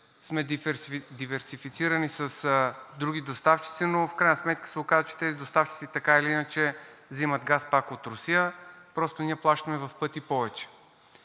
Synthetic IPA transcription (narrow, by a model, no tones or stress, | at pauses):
smɛd̪ivɛɾsifit̪siɾənisɐsd̪ɾuɡ̟id̪ost̪aft͡ʃi̥t̪sinofkɾajnəsmɛt̪kə̥sɛokazət͡ʃɛ̥t̪ɛzid̪ost̪aft͡ʃit̪sit̪ɐkailiinət͡ʃɛzimɐd̪ɡaspakot̪ɾʊsijəpɾɔst̪oniəplˠaʃt̪ɐmɛvɐfpɤt̪ipɔvɛt͡ʃɛ̥